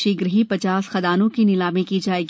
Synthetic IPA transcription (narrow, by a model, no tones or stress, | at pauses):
ʃɪɡɾɦipɐt͡ʃaːsxɐd̪aːnõkinɪlaːmẽkid͡ʒaːeːɡ